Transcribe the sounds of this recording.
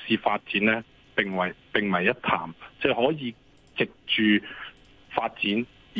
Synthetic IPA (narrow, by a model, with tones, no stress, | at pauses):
siː˨˧faː˧t̚t͡siː˨˥nlɛː˥ | pɪ˨ŋwɐ˨˩jpɪ˨˩ŋmɐ˨˩jːɐ˥t̚t̪ʰa̰ː˨˩mt͡sɛː˥˧hɔː˨˥jiː˨˧ | t͡sɪ˨k̚t͡ʃyː˨˧ | faː˧t̚t͡siː˨˥n